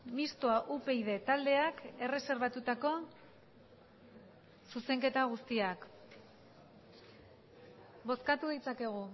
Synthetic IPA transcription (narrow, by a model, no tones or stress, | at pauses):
mist̪oaʔupe̞iðe̞t̪ald̪e̞ake̞re̞se̞ɾβat̪ut̪ako̞ | suse̞ŋke̞t̪aɣ̞ust̪iak | bo̞skat̪uðit͡sake̞ɣ̞u